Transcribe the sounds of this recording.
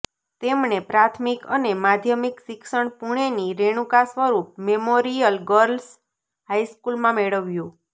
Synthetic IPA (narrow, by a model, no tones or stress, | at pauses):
t̪emɳepɾat̪ʰmikə̰nemad̪ʱjəmiksɪksəɳpuɳ̃eniɾeɳ̃ũkasʋəɾup̚memoɾijəlɡəɾls | haiskulmãmeɭəʋjũ